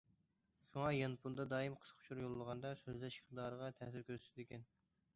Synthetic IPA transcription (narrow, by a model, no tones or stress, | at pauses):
ʃuŋɑjɑnpʰund̪ɑd̪ɑːjimqʰə̥sqʰʊ̥t͡ʃʰuɾjolˠːəʁɑnd̪ɑsøzlɛʃχd̪ɑːɾəʁɑt̪ʰɛhsyɾkʲʰøɾɪd̪ekʲʰɛn